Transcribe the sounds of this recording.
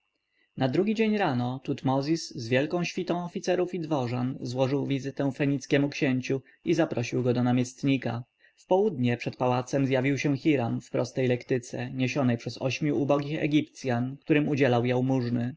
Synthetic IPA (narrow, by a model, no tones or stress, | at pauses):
nad̪ɾuɡʲid͡ʑeɲɾanɔt̪ut̪mɔzʲiszvʲjɛlkɔ̃w̃ɕfʲit̪ɔ̃w̃ɔfʲit̪sɛɾufid̪vɔʐanzwɔʐɘwvʲizɘt̪ɛ̃w̃fɛɲit̪skʲɛmukɕeɲt͡ɕu | izapɾɔɕiwɡɔd̪ɔnamʲjɛst̪ɲika | fpɔwud̪ɲɛpʂɛt̪pawat̪sɛmzjavʲiwɕɛxʲiɾamfpɾɔst̪ɛjlɛkt̪ɘt̪sɛ̰ɲeɕɔnɛjpʂɛzɔɕmʲjuːbɔɡʲixɛ̰ɡʲip̚t̪sʲjankt̪uɾɘmud͡ʑɛlawjawmuʐnɘ